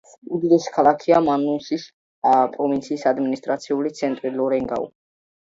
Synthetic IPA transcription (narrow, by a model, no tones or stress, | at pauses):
ud̪id̪ɛskʰalˠakʰiamanusis | pʼɾɔvint̪sʰiːsad̪minist̪ʼɾat̪sʰiulit̪sʰɛnt̪ʼɾilɔɾɛŋɡa̰ṵ